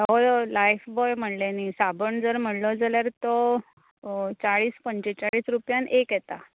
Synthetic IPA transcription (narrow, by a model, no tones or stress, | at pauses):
olajfbɔjm̤əɽlenisabəɳd͡zəɾm̤əɽlɔd͡zaljaɾt̪ɔ | t͡saɭiːspəɲt͡ɕet͡saɭiːsɾupjanʔekjet̪a